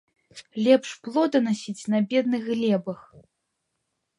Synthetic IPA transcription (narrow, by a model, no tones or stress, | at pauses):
lʲɛpʂplˠɔd̪ɐnasʲit͡sʲnɐbʲɛd̪̚nɨɣɣlʲɛbɐx